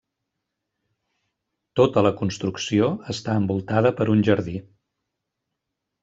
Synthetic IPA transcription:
t̪ot̪ələkunst̪ɾuksioəst̪aəmbulˠt̪aðəpəɾunʲʒəɾði

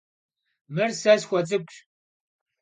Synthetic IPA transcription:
mɨrsɐzxʷɔt͡sʼɨkʷʼɕ

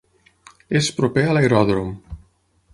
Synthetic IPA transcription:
espɾopealaeɾɔðɾom

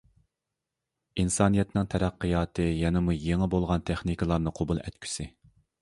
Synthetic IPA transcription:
insɑːnijɛt̪nɪŋt̪ʰɛɾæqːɨjɑːt̪ʰɨjɛnɪmujeŋɨbolˠʁɑnt̪ʰɛχnikʲɪlˠɑɾnɨqʰobulˠɛ̰t̪kʲʰy̥sɪ

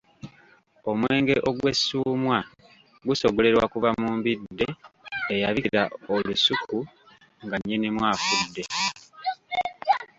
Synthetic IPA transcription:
o̞mwe̞ːŋɡe̞ʔoɡwe̞sːuːmwa | ɡuso̞ɡole̞ɾwakuvamuːmbidːe̞ejaβiɾaolusuku | ŋɡaɲːenimwaːfudːe̞

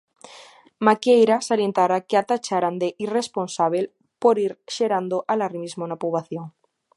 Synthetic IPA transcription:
makjejɾasalje̞nt̪aɾakeat̪at͡ʃaɾand̪eʔiresponsaβ̞el | poɾiɾʃeɾand̪oʔalaɾimizmonapuβaθjoŋ

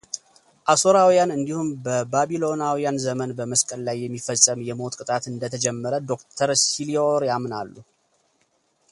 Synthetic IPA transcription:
ʔasoɾawijanɨnd̪ihumbəbabilo̞nawijanzəmənbəməskʼəllajːɛmːifəsʼːəmjɛmo̞t̪kʼɨt̪ʼat̪ɨnd̪ət̪ʰəd͡ʒɛmːəɾəd̪o̞kt̪ʰəɾsilioɾjamnalːu

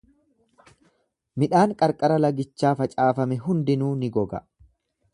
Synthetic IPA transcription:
mɪᶑaːŋkʼɐɾkʼɐɾɐlɐɡɪt͡ʃːaːfɐt͡ʃʼaːfɐmɛɦʊnd̪ɪnuːnɪɡɔɡɐ

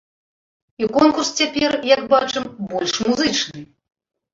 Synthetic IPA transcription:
ikɔnkurst͡sʲapʲɛrjakbat͡ʂɨmbɔlʲʂmuzɨt͡ʂnɨ

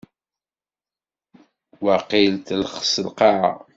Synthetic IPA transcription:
waqilt̪ləχsəlqɑʕa̰

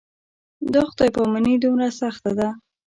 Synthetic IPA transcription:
d̪oxt̪ɑjpamanid̪umɾasaxt̪ad̪a

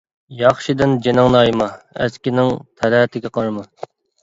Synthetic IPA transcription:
jɑχʃid̪ɪnd͡ʒenɪŋnɑjmɑæ̰skʲinɪŋt̪ʰɛlæːt̪ʰɪɡʲɛqʰɑɾmɑ

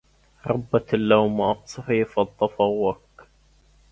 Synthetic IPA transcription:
ɾˤɑbːatlːawmʔɑqsˤɑħiːfɑt̪ˤːɑfɑwːak

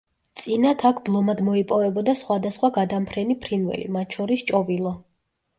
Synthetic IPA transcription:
t̪sʼinat̪ʰakʰblˠɔmad̪mɔipʼɔvɛbɔd̪asχwad̪asχwaɡad̪ampʰɾɛnipʰɾinvɛ̰lḭmat̪̚ʰʃʰɔɾist͡ʃʼɔvilˠɔ

